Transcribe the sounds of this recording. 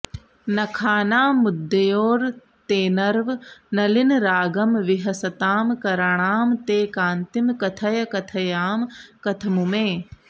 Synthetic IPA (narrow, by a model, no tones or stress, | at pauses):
nɐkʰaːnaːmud̪ːɐjoːɾ | t̪eːnɐɾʋnɐlinɾaːɡɐmʋiɦɐsɐt̪aːmkɐɾaɳ̃aːmt̪eːkaːnt̪imkɐt̪ʰɐjɐkɐt̪ʰɐjaːmkɐt̪ʰɐmumeː